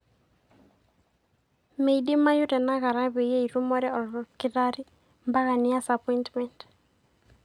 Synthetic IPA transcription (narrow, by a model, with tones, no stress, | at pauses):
me˨iɗɪ˦ma˦jʊ˦ɾɛ˨na˦ɣa˨ɾa˦βɛ˨je˦i˨ɾu˦mɔ˦ɾɛ˦ɔ˨lɾɔkɪ˨ɾa˦ɾi˦ | mba˦ɣa˨nɪ˦a˦sapɔ˦intmɛ˨nt